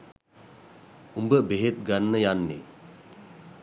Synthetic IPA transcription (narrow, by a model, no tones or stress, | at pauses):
umbəbeɦet̪̚ɡanːəjanːḛ